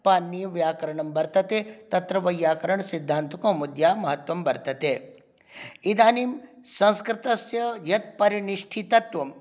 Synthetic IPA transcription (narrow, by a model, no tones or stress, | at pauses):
paːnːijɐʋjaːkɐɾɐɳɐmbɐɾt̪ɐt̪eːt̪ɐt̪ɾɐʋɐjːaːkɐɾɐɳsid̪ʱːaːnt̪ukõːmud̪jaːmɐɦɐt̪ʋɐmbɐɾt̪ɐt̪eː | id̪aːnimsɐ̃nskɾɪt̪ɐsjɐjɐt̪̚pɐɾiɳiʂʈʰit̪ɐt̪ʋɐm